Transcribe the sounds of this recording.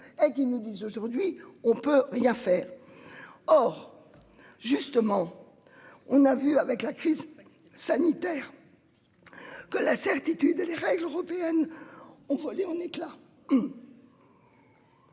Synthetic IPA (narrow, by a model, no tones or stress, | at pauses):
ek̬ʲinud̪izoʒuʁd̪ɥiɔ̃pøʁjɛ̃fɛːʁ | ɔʁ | ʒyst̪əmɑ̃ | ɔ̃navyavɛklakχiz | sanit̪ɛːʁ | kəlasɛʁt̪it̪yd̪eleʁɛɡløʁɔpeɛnɔ̃vɔleɑ̃nekla